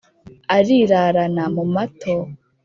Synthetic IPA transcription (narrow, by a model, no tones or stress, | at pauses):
aɾiːɾaɾanamumatʰo